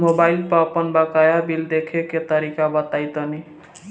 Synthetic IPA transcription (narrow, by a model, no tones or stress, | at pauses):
mobajlpapʌnbakajabild̪ekʰeket̪ʌɾikabʌt̪ajt̪ʌni